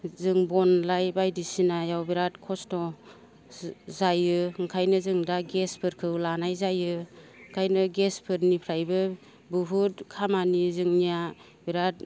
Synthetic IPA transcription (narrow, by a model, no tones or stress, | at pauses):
zɯŋbɔnlajbajdisinajawbiɾatkʰɔstɔ | zajɯŋkʰajnɯzɯŋdaɡespʰɯɾkʰɯwlanajzajɯkʰajnɯɡespʰɯɾnipʰɾajbɯ | bɯɦutkʰamanizɯŋnija | biɾat̚